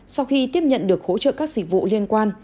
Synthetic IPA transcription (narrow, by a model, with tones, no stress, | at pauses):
sa˧wxi˧t̪i˦˥əp̚ɲə̰˧˨nɗɨ˨˩ək̚ho̰˧˥t͡ɕə̰ː˧˨kaː˦˥k̚zï˨˩k̚vṵ˧˨li˧ənkwaː˧n